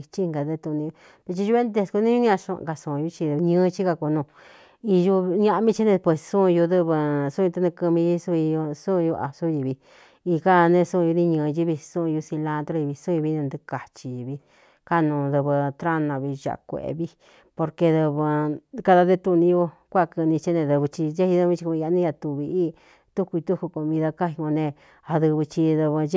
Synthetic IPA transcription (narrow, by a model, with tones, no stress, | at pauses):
t͡ʃi˦˧ŋɡa˨ðe˦˧t̪u˧nĩ˧u˧ | pe˧t͡ʃi˧ʒu˧βe˦nd̪e˧sku˧˦nĩ˦u˦ĩ˦a˧ʃṵ̃˧ʔka˧sũ˧˨˧ju˧t͡ʃi˧ɲɨ̃ː˦˧t͡ʃi˦ka˧ku˧nũ˧ | i˧ju˧ɲã˦ʔmĩ˦t͡ʃi˦nẽ˧pwe˧˨ssũ˦˧ju˧ðɨ˧βɨ˧su˦˧t̪a˦˧nĩ˧kɨ˧mĩ˧ji˦su˧i˧sũ˦˧ju˧ʔa̰˨su˦˧i˧βi˧ | i˧ka˦˧nẽ˧sũ˦˧ju˧nĩ˧ɲɨ̃ː˧ji˦βi˧sũ˦˧ju˧si˧lã˧t̪ɾo˧i˧βi˧sũ˦˧i˧βi˧˦nẽ˧nd̪ɨ˧ka˨t͡ʃi˧ji˧βi˧ | ka˦˧nũ˧ðɨ˧βɨ˧t̪ɾa˦nã˧βi˧ʒa̰˨ʔkʷḛ˨ḛ˧βi˦ | po˧ɾke˧ðɨ˧βɨ˧ka˧ða˧ðe˦t̪u˧nĩ˧jo˧kʷa˦˧kɨ˧nĩ˧t͡ʃi˦nẽ˧ðɨ˧βɨ˧t͡ʃi˧je˦i˧ðĩ˦t͡ʃi˧kĩ˧a˧nĩ˦ja˧t̪u˧βi˧i˦ | t̪u˦ku˧i˧t̪u˦ku˧ko˧mĩ˧ða˧ka˦i˧kõ˧nẽ˧ | a˧ðɨ˧βɨ˧t͡ʃi˧ðɨ˧βɨ˧˦